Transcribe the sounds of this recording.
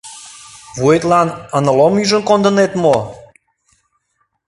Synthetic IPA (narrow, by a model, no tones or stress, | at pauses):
vuet̪lɑnənə̆lomyʒə̆nkond̪ə̆net̪mo